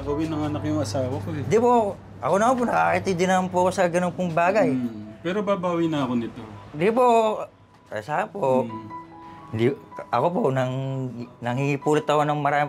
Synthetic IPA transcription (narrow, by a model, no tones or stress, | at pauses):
ɐɡɐwɪnɐŋɐnakjʊŋɐsaːwɐkod̪ipo | ʔɐkonɐmanp̬onɐkakɪt̪id̪ɪnɐmanpʊɐko̞sɐɡɐnonpʊŋbaːɡajpɛːɾobaːbaːwɪnɐɐkonɪt̪od̪ipo | ɐ̰saːhɐnpo | hɪnd̪iʔɐ̰ko̞ponɐŋnɐŋhihipuːlɪt̪ːɐkonɐŋmɐɾaːmɪ